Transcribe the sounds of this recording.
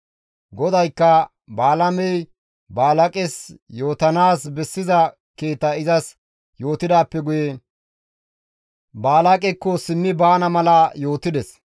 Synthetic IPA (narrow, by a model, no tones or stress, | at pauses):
ɡɔd̪ɐjkːɐ | baːlɐmɛj | baːlɐkʼɛsjo̞ːt̪ɐnaːsbɛsːɪzɐ | ke̞ːt̪ːɐɪzɐs | jo̞ːt̪ɪd̪aːpːɛɡʊje | baːlɐkʼɛkːɔsɪmːɪbaːnɐmɐlɐjo̞ːt̪ɪd̪ɛs